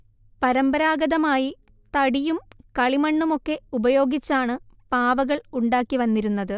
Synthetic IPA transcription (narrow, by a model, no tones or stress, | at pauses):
pɐɾɐmbɐɾaːɡɐðɐmaːji | t̪ɐɽijumkɐɭimɐɳːumo̞kːe̞ubɐjo̞ːɡit͡ɕːaːɳɨpaːʋɐɣɐɭuɳɖaːkːiʋɐnːiɾunːɐðɨ